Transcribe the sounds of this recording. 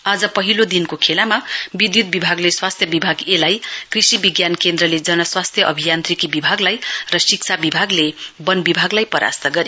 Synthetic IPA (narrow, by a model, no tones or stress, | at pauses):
ad͡zʌpʌɦilod̪inkokʰelamabid̪jut̪̚bibʱaɡleswast̪ʰjʌbibʱaɡelajkrisibiɡjankend̪rʌled͡zʌnʌswast̪ʰjʌʔʌbʱijant̪rikibibʱaɡlajrʌsik̚t͡sʰabibʱaɡlebʌnbibʱaɡlajpʌɾʔa̰st̪ʌɡʌɾe